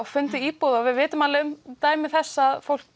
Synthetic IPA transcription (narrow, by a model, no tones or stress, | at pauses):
ɣfʏnt̪ɪiːpowðawvɪðvɪːt̪ʏmaːlɪʏmt̪aːjmɪθɛsːaðfowl̥